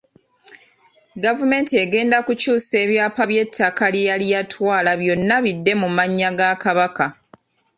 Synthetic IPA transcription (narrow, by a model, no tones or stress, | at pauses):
ɡavume̞ːntieɡe̞ːndakucuːse̞ːβjaːpaβje̞tʰːakalijalijatʰwaːlaβjo̞nːaβidːe̞mumaɲːaɡakaβaka